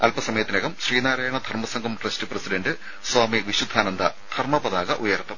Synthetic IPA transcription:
ɐlpɐsɐmɐjɐt̪ːineɣɐmɕriːnaːɾaːjɐɳɐd̪ʱɐrmɐsɐŋɡʱɐmʈrestɨprɐsiɖɐndɨ | saːmiʋiɕud̪ʱːaːnɐnd̪ʱɐd̪̥ʰʱɐrmɐpɐðaːɣɐʔujɐrt̪ːɐm

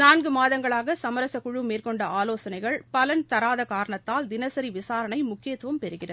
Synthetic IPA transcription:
naːnɡɯmaːðɐŋɡɐɭaːɣɐsɐmɐɾɐsɐkʊɻɯmeːrkɔɳɖɐaːloːsɐnɐɪɣɐɭpɐlɐnt̪ɐɾaːðɐkaːɾɐɳɐt̪ːaːld̪ɪnɐsɐɾiʋɪsaːɾɐɳɐɪmʊkːɪjɐt̪ːɯʋɐmpɛɾɯɣɪrɐ

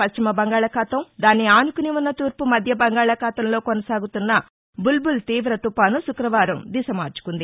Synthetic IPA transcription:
pɐʃt͡ʃimɐbɐŋɡaːɭɐkaːt̪ɐmd̪aːniaːnukuniunːɐt̪uːɾpumɐd̪ʱjɐbɐŋɡaːɭɐkaːt̪ɐmlo̞ːkonɐsaːɡut̪unːɐ | bulbult̪iːʋɾɐt̪upaːnusukɾɐʋaːɾɐmd̪isɐmaːɾt͡ʃu̥kund̪i

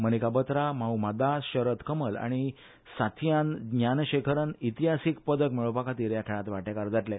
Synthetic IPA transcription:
mənikabət̪ɾamaumad̪aɕəɾət̪kəməla̰ɽ̃i | sat̪ʰjanɡɲanɕekʰəɾənit̪iɦasik̚pəd̪əkmiɭəpakat̪iːɾjakʰeɭãt̪ʋaʈekaɾd͡zaʈle

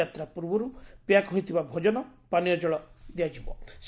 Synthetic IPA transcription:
at̪ɾapuɾbɔɾupjakɦojt̪ʰibabʱɔd͡ʒɔnɔpanijɔd͡ʒɔɭɔd̪iad͡ʒibɔs

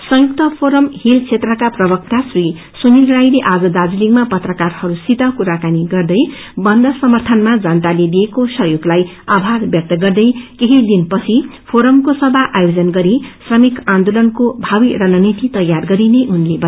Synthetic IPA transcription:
sʌjuk̚t̪ʌpʰoɾʌmhilt͡sʰet̪rʌkaprʌbʌk̚t̪asri | sunilrajleʔad͡zʌd̪ad͡ziliŋmapʌt̪rʌkarhʌɾusit̪ʌkuɾakaniɡʌrd̪ʌj | bʌnd̪ʱʌsʌmʌrt̪ʰʌnmad͡zant̪aled̪iekosʌɦjoɡlaj | abʱarbjʌk̚t̪ʌɡʌrd̪ʌjkeɦid̪inpʌt͡sʰipʰoɾʌmkosʌbʱaʔajod͡zʌnɡʌɾisrʌmikãnd̪olʌnkobʱawirʌnʌnit̪it̪ʌjːarɡʌɾineʔunlebʌ

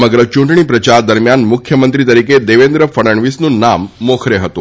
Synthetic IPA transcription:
məɡɾət͡ɕũɳʈɳ̃ipɾət͡ɕaɾd̪əɾmjanmukʰjəmənt̪ɾit̪əɾiked̪eʋend̪ɾəfəɽəɳʋisnũnamːokʰɾeɦət̪ũ

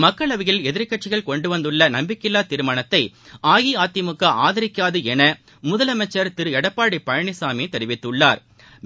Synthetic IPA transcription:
mɐkːɐɭɐʋɪɣɪlɛðɪɾkɐʈt͡ʃɪɣɐɭkɔɳɖɯʋɐnd̪ɯɭːɐnɐmbɪkːɪlːaːt̪ɪɾɯmaːnɐt̪ːɐɪʔaːjiaːt̪ːɪmʊkːɐʔaːðɐɾɪkːaːðɯɛnɐ | mʊðɐlɐmɐt͡ʃːɐɾt̪ɪɾɯɛɽɐpːaːɽipːɐɻɐɳɪsaːmeːt̪ɛɾɪʋɪt̪ːɯɭːaːɾ

